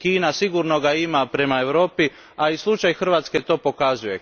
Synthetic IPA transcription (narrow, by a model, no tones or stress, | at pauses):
kiːnasiɡuɾno̞ɡaimapɾe̞mae̞ʋɾo̞ːpi | aislˠut͡ʃajxr̩ʋaːt̪ske̞t̪o̞ːpo̞kazuje̞